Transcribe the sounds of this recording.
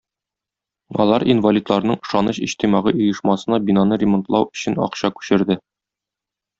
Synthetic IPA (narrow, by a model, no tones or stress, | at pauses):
ɒ̰lˠɑɾinvɐlʲit̪lˠɑɾnɤɴɤ̆ʃɑnɤɕiɕt̪imɑʁɤjŏjɤ̆ʃmɑsɤ̆nɑbinɑnɤɾʲɪmont̪lˠɑwɵ̥̆ɕɘnɒ̰qɕɑkʉ̥ɕɘ̆ɾd̪ɘ